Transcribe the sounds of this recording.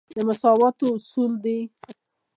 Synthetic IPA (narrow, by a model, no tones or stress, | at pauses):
d̪əmʊsɑwɑt̪oʊsuld̪e